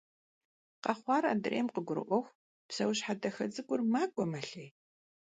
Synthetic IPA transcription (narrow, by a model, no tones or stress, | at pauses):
qɑχʷɑːra̰ːdɨrʔḛːmqəɡʷʊɾɨ̰ʔʷɔxʷ | psɐwɕħadɐxɐd͡zɨkʷʼʊrmaːkʷʼɔmɐɬej